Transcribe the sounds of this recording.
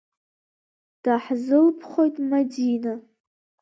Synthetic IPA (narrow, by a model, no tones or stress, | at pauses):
d̥aħzɨlpʰχojtʼmadina